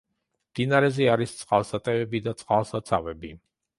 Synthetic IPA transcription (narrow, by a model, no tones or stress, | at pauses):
d̪̥inaɾɛzɛaɾist̪sʼqʼalˠsat̪ʼɛvɛbid̪at̪sʼqʼalˠsat̪sʰavɛbi